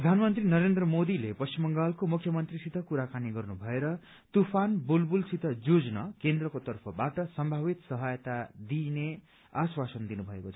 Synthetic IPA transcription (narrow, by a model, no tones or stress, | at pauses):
prʌd̪ʱanmʌnt̪rinʌɾend̪rʌmod̪ilepʌst͡ʃimːʌŋɡalkomukʰjʌmʌnt̪risit̪ʰʌkuɾakaniɡʌrnubʱʌeɾʌ | t̪upʰanbulbulsit̪ʰʌd͡zod͡znʌ̰kend̪rʌkot̪ʌrpʰʌbaʈʌsʌmbʱaβit̪sʌɦajt̪ad̪ine | aswasʌnd̪inubʱʌekot͡sʰʌ